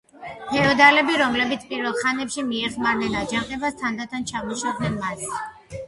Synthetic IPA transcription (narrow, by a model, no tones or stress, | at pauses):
hʰɛɔd̪alɛbiɾɔmlɛbit̪sʰpʼiɾvɛlˠχanɛpʃimiɛχmaɾnɛnad͡ʒaŋqʼɛbast̪ʰand̪at̪ʰant͡ʃʰamɔʃɔd̪nɛnmas